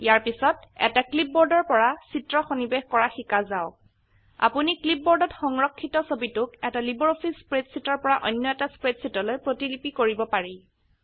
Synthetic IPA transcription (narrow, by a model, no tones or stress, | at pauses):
jaɹpisɔtɛ̰taklip̚bɔɹdɔɹpɔɹasitɹɔxonibexkɔɹaxikazaʊ | a̰puniklip̚bɔɹdɔtxɔŋɹɔkʰːitɔsobitʊkɛtalibɔɹopʰispɹedsitɔɹpɔɹaʔɔjnːɔɛtaspɹedsitɔlojpɹotilipikoɹibɔpaɹi